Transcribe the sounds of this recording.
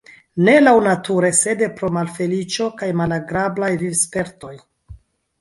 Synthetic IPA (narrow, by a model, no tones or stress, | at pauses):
ne̞lawnatuɾe̞se̞de̞pɾo̞malfe̞lit͡ʃo̞kajmalaɡɾablajvivspe̞ɾto̞j